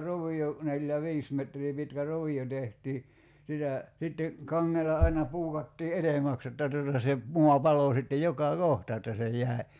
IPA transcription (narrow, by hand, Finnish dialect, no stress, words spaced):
roʋio neljæ ʋiːs metriː pitkæ roʋio tehtiː sitæ sitːe kɑŋːelɑ ɑinɑ puːkɑtːiː etemæks jotːɑ tutɑ se muɑ pɑloˑ sitːe jokɑ kohtɑ etːæ se jˑæˑi̞